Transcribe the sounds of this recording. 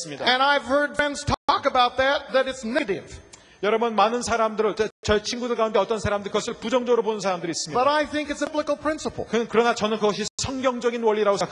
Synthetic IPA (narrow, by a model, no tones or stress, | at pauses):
sɯmɲidaɨ̃naɪv̥hɜ˞d̚bɛ̃nz̥tʰkəbaʊt̪̚ðɨt̪̚ðɨɾɨtsnɾɪ̰v̥ | jʌɾʌbʌnmanɯnsʰaɾamdɯɾet͡ɕʌt͡ɕʰinɡudɯɭkaund̪eʌt͈ʌnsʰaɾamdɯɾkɯɡʌsʰɯɭpud͡ʑʌŋd͡ʑʌɡɾobonɯnsʰaɾamdɯɾiːs͈ɯmɲibʌɾaɪθɪ̃ŋkɨtsblɪkl̩ˠpʰɹ̥ɪ̃nsəpl̩ˠkɯkɯɾʌnat͡ɕʌnɯnkɯɡʌɕ̬ʰisʰʌŋɡjʌŋd͡ʑʌɡinwʌʎːiɾaɡok